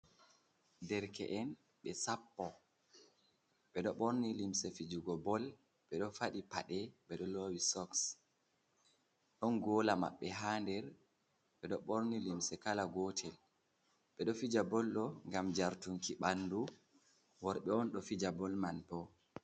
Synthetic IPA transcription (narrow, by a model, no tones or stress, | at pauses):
dɛɾkɛ̰ʔɛn | ɓɛsapːɔ | ɓɛɗɔɓoɾnilimsɛfid͡ʒuɡɔbɔl | ɓɛɗɔfaɗipa̰ɗɛɓɛɗɔlowisɔks | ɗɔnɡɔlama̰ɓːɛɦaːndɛɾ | ɓɛɗɔɓoɾnilimsɛkalaɡɔːtʰɛl | ɓɛɗɔfid͡ʒabɔlɗɔŋɡamd͡ʒaɾtuŋkiɓanːdu | wɔɾɓɛɔnɗɔfid͡ʒabɔlmanpɔ